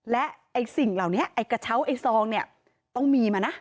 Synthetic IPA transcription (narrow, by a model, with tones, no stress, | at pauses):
lɛ˦˥ʔa˧jsi˨˩ŋlaː˨˩wni˦˥ɐʔa˧jka˧t͡ɕʰa˦˥˩wʔa˧jsɔː˧ŋni˥˩ɐ | t̪ɔ˥˩ŋmiː˧maː˧na˦˥